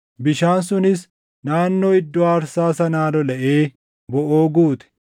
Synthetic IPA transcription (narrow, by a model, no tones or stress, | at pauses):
bɪʃaːnsʊnɪs | naːnːoːɪd̪ːɔaːɾsaːsɐnaːlɔlɐʔeː | bɔʔoːɡuːt̪ɛ̥